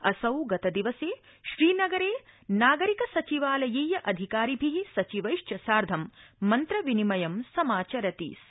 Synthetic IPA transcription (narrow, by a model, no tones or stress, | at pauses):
ɐsɐwɡɐt̪ɐd̪iʋɐseː | ʃɾiːnɐɡɐɾeːnaːɡɐɾikɐsɐt͡ʃiʋaːlɐjiːjɐʔɐd̪ʱikaːɾibʱiɦisɐt͡ʃiʋɐjʂt͡ʃɐsaːɾd̪ʱɐmːɐnt̪ɾɐʋinimɐjɐmsɐmaːt͡ʃɐɾɐt̪ḭːs